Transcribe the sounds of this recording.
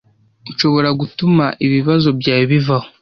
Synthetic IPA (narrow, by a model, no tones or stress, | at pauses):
uʃo̞βo̞ɾaɡutumaʔiβiβazo̞bjaːβivaho